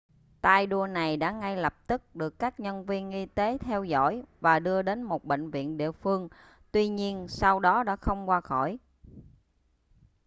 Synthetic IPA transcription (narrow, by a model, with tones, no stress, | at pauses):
t̪aː˧jɗu˧əna˨˩jɗa̰ː˧˥ŋa˧jlə˨˩p̚t̪ɨ˦˥k̚ɗɨ˨˩əkːaː˦˥k̚ɲə˧nvi˧ənʔi˧t̪e˨˦t̪ʰɛ˧wzɔ̰˧˥˩jvaː˨˩ɗɨ˧əɗe˨˦nmo˨˩t̚ɓḛ˧˨ŋ̟vḭ˧˨ənɗḭ˧˨əfɨ˧əŋ | t̪wi˧ɲi˧ənsa˧wɗɔ˨˦ɗa̰ː˧˥xə˧wŋ͡mkwaː˧xɔ˧˩j